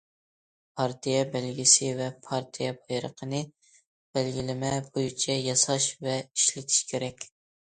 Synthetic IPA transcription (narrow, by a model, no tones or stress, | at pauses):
pʰɑɾt̪ʰijɛbɛlɡʲɪsɪvɛpʰɑɾt̪ʰijɛbɑjɾəqʰənɨ | b̥ɛlɡʲilɪmɛbojit͡ʃʰɛjɑsɑʃvɛiʃlɪt̪ʰi̥ʃkʲʰeɾɛkʲ